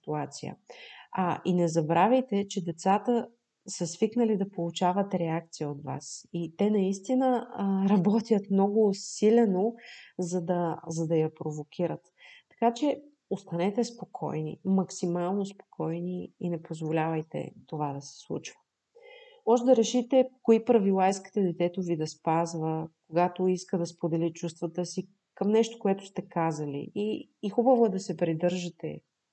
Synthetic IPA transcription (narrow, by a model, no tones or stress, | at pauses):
sit̪uat̪sijə̰ɐʔinɛzɐbɾavʲɐjt̪ɛt͡ʃɛd̪ɛt̪sat̪ə | sɐsviknəlid̪ɐpolˠut͡ʃavət̪ɾɛak̚t̪sijəot̪va̰sit̪ɛnɐist̪inəɾɐbɔt̪ʲjət̪mnɔɡʊsilɛnozɐd̪ɐzɐd̪ɐjɐpɾovokʲʰiɾət̪ːɐ̥kat͡ʃɛ | ost̪ɐnɛt̪ɛspokʰɔ̰jnḭmɐksimalˠnospo̥kʰɔjniinɛpozvolʲavɐjt̪ɛ̰t̪ovad̪ɐsɛ̥slˠṵt͡ʃvə̥ | mɔʒɛd̪ɐɾɛʃit̪ɛkoipɾɐvilˠaiski̥t̪ɛd̪ɛt̪ɛt̪ovid̪ɐspazvəkoɡat̪oiskəd̪ɐspod̪ɛlit͡ʃust̪vət̪əsi | kəmnɛʃt̪o̥koɛt̪ʊ̥st̪ɛkazəlḭiː | xubəvoɛd̪ɐsɛpɾid̪ɤɾʒɐt̪ɛ̰